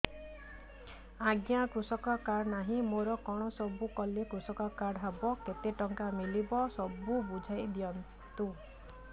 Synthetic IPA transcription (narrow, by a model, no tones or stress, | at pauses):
aɡjakɾusɔkɔkaɾnaɦĩmoɾɔkɔɽ̃ɔsɔbukɔlekɾusɔkɔkaɽɦabɔket̪eʈɔŋkamilibɔsɔbubud͡ʒʱajd̪ijɔn | t̪u